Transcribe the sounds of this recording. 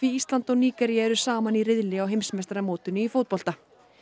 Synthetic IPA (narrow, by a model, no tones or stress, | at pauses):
viist̪lant̪ɔɣniːkɛɾiaɛɾʏsaːmanirɪðlɪawɦejmsmɛst̪ɾamoːwt̪ɪnʏifoːwt̪̚pɔlt̪a